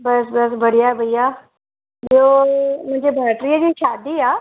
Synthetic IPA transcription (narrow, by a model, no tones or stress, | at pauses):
bəsbəs̬bʱəɽ̤ijabʱəjːa | ɦjom̤ə̃ɳd͡ʑebʱaʈɾijəd͡ʑiːɕad̪iːaː